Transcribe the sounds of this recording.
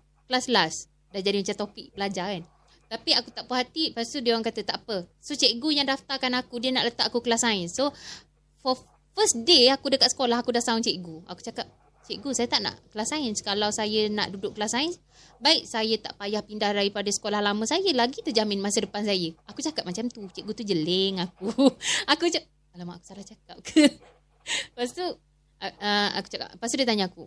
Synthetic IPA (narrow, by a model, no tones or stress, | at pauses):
kəlaslas | dahd͡ʒadimat͡ʃant̪opik̚bəlad͡ʒaan | t̪apiakut̪aʔpəɦat̪ipast̪udewaŋkat̪ət̪aʔapəsot͡ʃɛʔɡujaŋdaft̪akanakudiənaʔlət̪aʔakukəlasainso | fɔ | fəsdeakudəkat̪sə̥kolaɦakudaht̪aʊŋt͡ʃɛʔɡuakut͡ʃakap̚ | t͡ʃɛʔɡusajət̪aʔna̰ʔkəlasainsə̥kalawsajəna̰ʔdudʊʔkːəlasain | baɪk̚sajət̪aʔpajahpindahdaɾipadasə̥kolahlamə̃sajəlaɡit̪ud͡ʒamɪnmasidəpansajəakut͡ʃakap̚mat͡ʃamt̪ut͡ʃeʔɡut̪ud͡ʒəleŋak̚uakut͡ʃa | alamaʔaku̥salaht͡ʃakap̚kʰə | past̪u | əa̰ku̥t͡ʃaka̰ppast̪udət̪aɲaaku